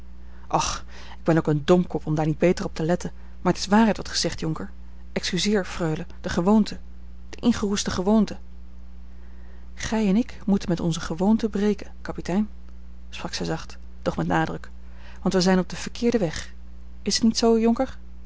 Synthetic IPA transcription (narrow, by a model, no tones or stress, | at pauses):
ʔɑχ | ɪɡ̚bɛnowkəndɔmkɔpɔmdaːɹnid̚bejtərɔp̚təlɛtən | maːɹətɪ̥sʋaːrɛtʋɑtχə̥z̥ɛχtjɔŋkəɹ | ʔɛkskyzɪːɹfrøɥləd̥əχəʋowntʰə | d̥əʔɪnχərustəχəʋowntə | χɛjɛnɪk | mutənmɛtɔ̰nzəχəʋowntəbrejkəkɑpitɛjn | sprɑksɛjzɑχt | d̥ɔχmɛtnaːdrək | ʋɑntʋəzɛjnɔb̚dəv̥əɹkʰɪːɹdəʋɛχ | ɪsətnitsowjɔŋkəɹ